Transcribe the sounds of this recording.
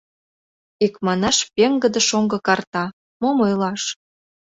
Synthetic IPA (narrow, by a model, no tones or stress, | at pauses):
ikmɑnɑʃpeŋɡə̆d̪ə̆ʃoŋɡɤ̆kɑrt̪ɑ | momojlɑʃ